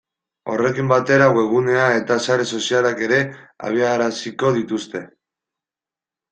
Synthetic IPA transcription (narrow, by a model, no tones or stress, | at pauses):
o̞̰re̞kimbat̪e̞ɾaɣwe̞ɣ̞une̞ae̞t̪asaɾe̞so̞sialake̞ɾe̞a̰β̞iaɾasiko̞ðit̪ust̪e̞